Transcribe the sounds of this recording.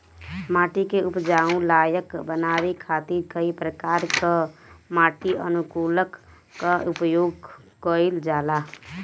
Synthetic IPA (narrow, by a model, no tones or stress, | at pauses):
maːʈikeupd͡ʒaːũlaːjəkbənaːɾikʰat̪iɾkəipɾəkaːɾkamaːʈiə̰nukuːləkː | aupjoːɡkəild͡ʒaːla